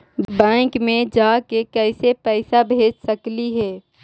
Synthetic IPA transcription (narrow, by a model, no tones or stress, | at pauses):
bɛ̃ːŋkmẽd͡ʒaːkekɛɪsepɛɪsabʱeːd͡ʒsəkliɦɛː